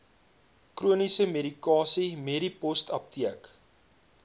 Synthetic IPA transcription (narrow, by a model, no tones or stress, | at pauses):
kruənisəmeɾikɑːsimeɾipɔstɐp̚tiək